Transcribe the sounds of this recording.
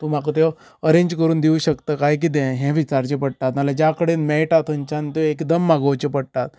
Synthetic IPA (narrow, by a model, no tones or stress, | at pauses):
t̪um̤akət̪̬e | əɾẽɲd͡ʑkəɾuːnd̪iuːɕəkt̪əːkajk̬iːd̪ɛ̃ɦɛ̃ʋit͡ɕaɾt͡ɕepəɽt̪at̪məlad͡ʑakəɽenmɛʈat̪ʰəɲt͡ɕant̪eekd̪əmːaɡəwt͡ɕepəɽt̪at̪̚